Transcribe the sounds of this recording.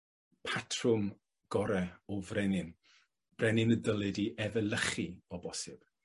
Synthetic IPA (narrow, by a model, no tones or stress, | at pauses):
pʰatʰrʊm | ɡ̥ɔɾɛɔvrɛnɪn | b̥rɛnɪnədəlˠɪdiʔɛvəlˠəχiɔbɔsɪb̥